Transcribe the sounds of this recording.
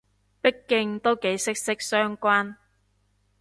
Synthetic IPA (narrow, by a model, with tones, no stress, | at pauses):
pɪ˥kːɪ˧ŋt̪o˥wke˨˥jsɪ˥k̚sɪ˥k̚sœː˥ŋkʷaː˥n